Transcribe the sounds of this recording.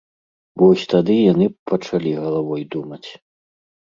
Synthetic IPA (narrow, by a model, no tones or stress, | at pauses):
vɔsʲt̪ad̪ɨjanɨpɐt͡ʂalʲiɣɐlˠavɔjd̪umɐt͡sʲ